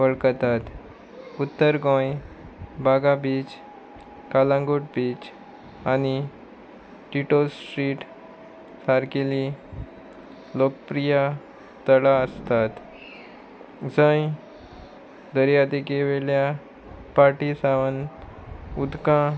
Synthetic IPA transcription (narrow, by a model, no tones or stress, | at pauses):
ʋəɭkt̪at̪ | ut̪ːəɾɡɔ̃j | bʱaɡabiːt͡ɕ | kalãŋɡoʈbiːt͡ɕ | ani | ʈiʈosʈɾiːʈ | saɾkeli | lokəpɾija | t̪əɽaəst̪at̪ | d͡zə̃j | d̪əɾjad̪ikeʋelja | paɾʈisaʋən | ud̪kã